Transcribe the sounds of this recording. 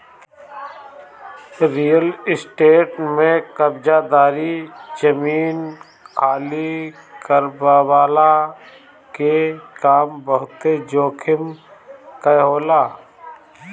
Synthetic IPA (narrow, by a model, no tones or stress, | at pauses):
ɾiːəlɪsʈeːʈmẽkəbd͡ʒaːd̪aːɾid͡ʒəmiːn | kʰaːlikəɾbawaːla | kekaːmbəɦʊt̪ed͡ʒoːkʰɪm | kəɦoːlaː